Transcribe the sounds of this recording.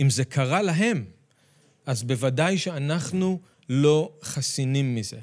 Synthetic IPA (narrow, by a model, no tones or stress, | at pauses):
imze̞kʰaʁalaɦe̞m | ʔazbe̞vadajʃeanaχnu | lo̞χasinimːize̞